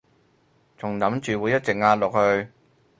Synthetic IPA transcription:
t͡sʰʊ˨˩ŋnɐ˨˥mt͡ʃyː˨wu˨˥jɐ˥t̚t͡sɪ˨k̚ŋaː˧t̚lʊ˨k̚hɵ˧ɥ

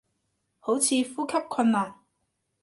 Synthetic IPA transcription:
ho˨˥wt͡sʰiː˨˧fuː˥kʰɐ˥p̚kʰɐ˧nmaː˨˩n

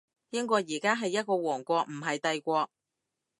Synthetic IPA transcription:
jɪ˥ŋkɔː˧jiː˨˩kaː˥ɦɐ˨jːɐ˥t̚kɔː˧wɔː˨˩ŋkʷɔː˧k̚m̩˨˩ɦɐ˨jt̪ɐ˧jkʷɔː˧k̚

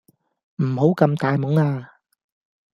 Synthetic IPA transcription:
m̩˨˩ho˨˥wkɐ˧mt̪aː˨jmʊ˨˥ŋaː˧

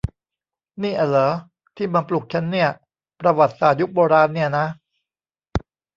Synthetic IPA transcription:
niː˥˩ʔa˨˩lɤː˩˦ | t̪ʰiː˥˩maː˧plu˨˩k̚t͡ɕʰa˦˥nːi˥˩ɐ | pɾa˧wa˨˩t̪̚saː˨˩t̪̚ju˦˥k̚boː˧ɾaː˧nːi˥˩ɐna˦˥

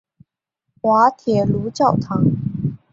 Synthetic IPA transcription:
xwa˧˥t̪ʰjɛ˨˩lu˧˥t͡ɕjɑ˥˩ʊt̪ʰɑ˧˥ŋ

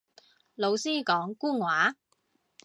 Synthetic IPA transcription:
lo˨˧wsiː˥kɔː˨˥ŋkuː˥ŋwaː˨˥

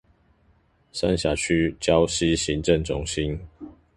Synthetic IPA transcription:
sa̰˥˦nɕja˨˩t͡ɕʰy˦t͡ɕjɑ˦ʊɕi˦ɕi˨˦ŋʈ͡ʂə˥˨ŋʈ͡ʂʊ˦ŋɕi˦n

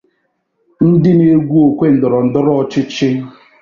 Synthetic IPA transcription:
n̩˦dɪ˦ne˦ɡʷu˦o˨kʷe˦n̩˨dʊ˨ɾɔ˨n̩˨dʊ˦ɾɔ˦ɔ˨t͡ʃɪ˦t͡ʃɪ˦

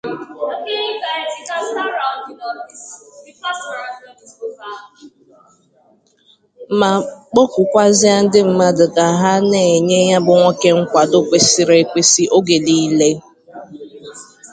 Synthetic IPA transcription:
ma˨k͡pɔ˦kʷʊ˨kʷa˦zɪ˦a˦n̩˦dɪ˦m̩˦ma˦dʊ˨ka˨ɦa˦ne˨ɲe˦ja˦bʊ˨ŋʷɔ˦ke˦ŋ̩˦kʷa˨do˦kʷe˨si˨ɾe˨kʷe˨si˦ʔo˦ɡe˨li˦le˦

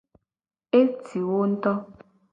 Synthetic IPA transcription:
e˦tʰi˨wo˦n̩˦tɔ˦

